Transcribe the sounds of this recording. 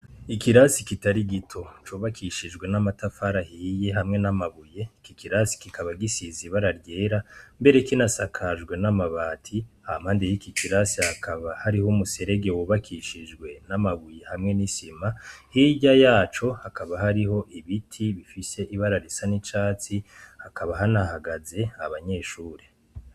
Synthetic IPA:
ikiɾasikitaɾiɡitʰo̞t͡ʃuːβakʰiʃid͡ʒɡwe̞namatafaɾahiːje̞ɦamŋe̞namaβuje̞kikʰiɾasi̥kikaβaɡisiziβaɾaɾɟe̞ːɾambe̞ɾe̞kinasakʰaʒɡwe̞namaβaːtʰihamhaːndejikikiɾasihakaβahaɾihomuse̞ɾeɡewuβakʰiʃid͡ʒɡwe̞namaβujehamŋe̞nisimahiɟajaːt͡ʃo̞hakaβaɦaɾiho̞ʔiβitʰiβifise̞ʔiβaɾaɾisanit͡ʃaːt͡sihakaβaɦanahaɡaze̞aβaɲe̞ːʃuːɾe

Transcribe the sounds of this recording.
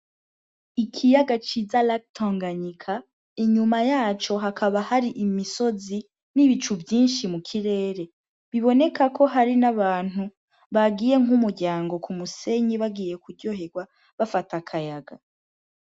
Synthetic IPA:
ikʰijaɡat͡ʃizalak̚tʰoːŋɡaɲikʰa | iɲumajaːt͡ʃo̞ɦakʰaβahaɾiʔimiso̞zi | niβit͡ʃuvjiːnʃimukʰiɾe̞ːɾe̞ | βiβo̞ne̞kakʰo̞ɦaɾinaβaːn̥hu | βaɡiːje̞ŋumuɾɟaːŋɡo̞kumuse̞ɲiβaɡiːje̞kuɾɟoɦe̞ɡwa | βafatakʰajaɡa

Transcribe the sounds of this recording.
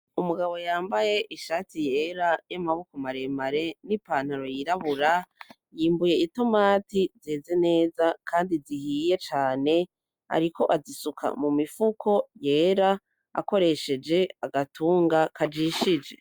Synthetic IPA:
umuɡaβo̞jaːmbaje̞ʔiʃaːtije̞ɾajamaβukomaɾe̞maɾe̞nipaːn̥haɾo̞jiɾaβuɾa | jiːmbuje̞ito̞maːtizeːze̞ne̞ːzakʰaːndizihiːje̞t͡ʃaːne̞ | a̰ɾiko̞ʔazisukʰa̰mumifukʰo̞je̞ːɾa | a̰ko̞ɾe̞ʃe̞d͡ʒe̞aɡatʰuːŋɡakad͡ʒiːʃid͡ʒe̞

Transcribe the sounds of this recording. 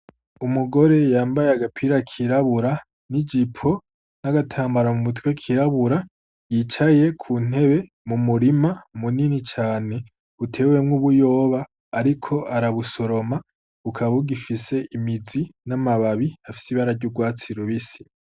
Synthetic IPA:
umuɡo̞ɾe̞jaːmbajeaɡapʰiɾakʰiɾaβuɾa | nid͡ʒipʰo̞ | naɡatʰaːmbaɾamumutwekʰiɾaβuɾa | jit͡ʃaje̞kʰuːn̥e̞βe̞ | mumuɾimamuninit͡ʃaːne̞ | βutʰe̞we̞mŋuβujo̞ːβaː | ɾikʰo̞ʔaɾaβuso̞ɾo̞ma | βukʰaβuɡifise̞ʔimid͡zinamaβaβiafi̥siβaɾaɾɟuɡwaːt͡siɾuβisi̥

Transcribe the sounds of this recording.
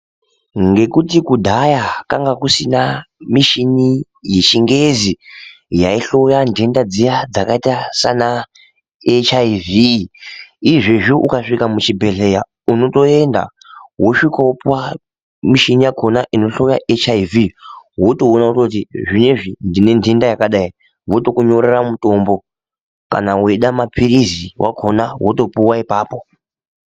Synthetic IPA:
ŋɡe̞kutikudʱajakaŋɡakusinamiʃini | je̞t͡ʃiŋɡe̞zi | jaiɬo̞jandendad͡zijad͡zakaitasana | et͡ʃaivi | iʐeʐuʔukaʂikamut͡ʃibʱe̞ɬe̞ja | uno̞to̞e̞nda̰ | woʂikaopuwa | miʃinijaɡʰʱo̞naʔino̞ɬo̞jaʔet͡ʃaiviwotounautot̬iʐineʐindine̞ndʱindajakaɗai | woto̞kuɲo̞ɾeramuto̞mbo̞ | ka̰naweɗamapʰiɾiziwʔa̰ɡʰʱonaɦwoto̞puwaipaːpo̞

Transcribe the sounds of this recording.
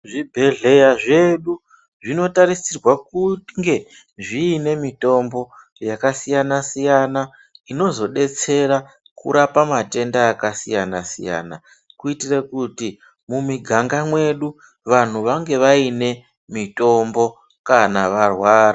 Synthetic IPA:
ʐibʱe̞ɮe̞jaʐe̞ɗu | ʐino̞taɾisirwakuŋɡe̞ | ʐiːne̞mito̞mbo̞ | jakasijanasijana | ino̞zo̞ɗe̞t͡se̞ɾa | kṵɾapamate̞ndaːkasijanasḭja̰na | kuitirekuti | mumiɡʱaŋɡamwe̞ɗu | ʋan̤uʋaŋɡe̞ʋaine̞ | mito̞mbo̞ | kanaʋarwaːɾa

